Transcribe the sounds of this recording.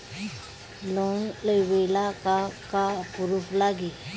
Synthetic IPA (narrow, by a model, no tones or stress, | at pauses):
lonləjʋelakakapuɾuflaɡi